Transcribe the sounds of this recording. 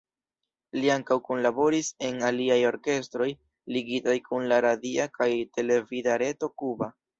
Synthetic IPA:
liaŋkawkonlabo̞ɾise̞naliajo̞ɾke̞stɾo̞j | liɡitajkunlaɾadiakajte̞le̞vidaɾe̞to̞kuba

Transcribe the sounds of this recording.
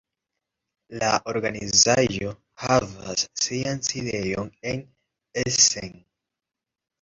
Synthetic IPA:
laʔo̞ɾɡanizaʒo̞ | hava̰sːianside̞jo̞ne̞n | esen

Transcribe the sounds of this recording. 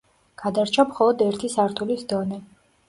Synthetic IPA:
ɡ̥ad̪aɾt͡ʃʰamχɔlˠɔd̪ɛɾt̪ʰisaɾt̪ʰulisd̪ɔnɛ

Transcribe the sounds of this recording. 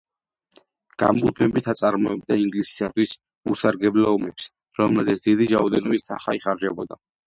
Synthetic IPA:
ɡ̥a̰mbut̪ʰmɛbit̪ʰat̪sʼaɾmɔɛb̚d̪aiŋɡlisi̥sat̪ʰwis | usaɾɡɛblɛɔmɛps | ɾɔmlɛzɛt̪sʰd̪id̪iɾaɔd̪ɛnɔbist̪ʰaχaiχaɾd͡ʒɛbɔd̪a

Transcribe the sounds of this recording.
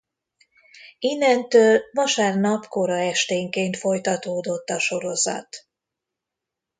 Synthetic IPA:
inːɛnt̪øːlvɒʃaːrnɒpko̞ɾɒɛʃt̪eːŋkeːnt̪fo̞jt̪ɒt̪oːd̪o̞t̪ːɒʃo̞ɾo̞zɒ̰t̪

